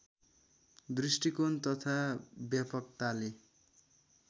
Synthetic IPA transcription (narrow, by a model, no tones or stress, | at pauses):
d̪risʈikont̪ʌt̪ʰabjapʌk̚t̪ale